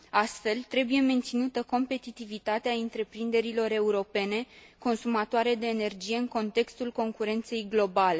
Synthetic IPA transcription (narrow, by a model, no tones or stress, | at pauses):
ast̪fe̞lt̪ɾe̞buje̞me̞nt̪sinut̪əko̞mpe̞t̪it̪ivit̪at̪eaɨnt̪ɾe̞pɾind̪e̞ɾilo̞ɾe̞uɾo̞pe̞ne̞ko̞nsumat̪oaɾe̞d̪e̞ːne̞rd͡ʒije̞ɨŋko̞nt̪e̞kst̪ulko̞ŋkuɾe̞nt̪se̞jɡlo̞bale̞